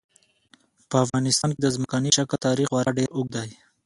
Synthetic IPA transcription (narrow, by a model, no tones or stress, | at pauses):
pəafɣɑnɪst̪ɑnked̪əzməkɑniʃakat̪ɑɾixwaɾaɖeɾʊɡ̚d̪aj